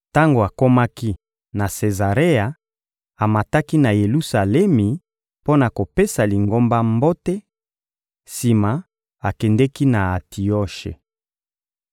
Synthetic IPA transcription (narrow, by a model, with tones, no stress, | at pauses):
ta˦ŋɡo˨a˨ko˦ma˦ki˦ | na˨se˨za˨ʁe˦a˨ | a˨ma˨ta˦ki˦na˨je˨lu˦sa˨lɛ˦mi˨ | po˦na˨ko˨pe˦sa˨li˨ŋɡo˦mba˦mbo˦tɛ˦ | si˨ma˨ | a˨kɛ˨ndɛ˦ki˦na˨a˨ti˨ɔ˦ʃḛ˨